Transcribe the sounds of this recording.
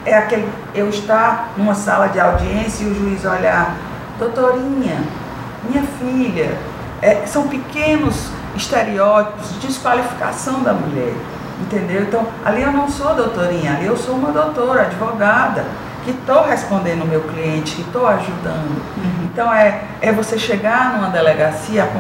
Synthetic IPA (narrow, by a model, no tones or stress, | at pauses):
ɛakelɪ | ewɪst̪anũmɐsalɐd͡ʒɪawd͡ʒiẽsjɐiʊʒuizɔʎa | d̪owt̪oɾĩɲɐ | mĩɲɐfiʎɐ | ɛsɐ̃w̃pɪkẽnʊz | ist̪eɾiɔt͡ʃi̥pʊzd͡ʒd͡ʒiskwalifi̥ka̰sɐ̃w̃d̪ɐmuʎɛ̰ɾ | ẽnt̪ẽnd̪ewẽnt̪ɐ̃w̃a̰liewnɐ̃w̃soɐd̪owt̪oɾĩɲɐaliewsoũmɐd̪owt̪oɾɐad͡ʒivɔɡad̪ɐ | kɪt̪owɦespõnd̪ẽnd̪ʊʊmewkliẽnt͡ʃɪ̥kɪt̪owaʒud̪ɐ̃nd̪ʊ̃t̪ɐ̃w̃ɛ | ɛvoseʃeɡaɾnũmɐd̪ɛlɛɡasiɐak